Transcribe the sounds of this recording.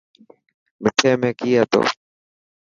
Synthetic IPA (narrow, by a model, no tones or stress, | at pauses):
mɪʈʰeːmẽːkiːaːt̪o̰ː